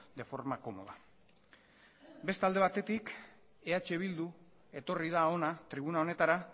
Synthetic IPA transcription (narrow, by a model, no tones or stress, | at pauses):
d̪e̞fo̞ɾmako̞mo̞̰ð̞a | be̞st̪ald̪e̞βat̪e̞t̪ik | e̞at͡ʃe̞β̞ild̪u | e̞t̪o̞rið̞ao̞nat̪ɾiβ̞unao̞ne̞t̪aɾa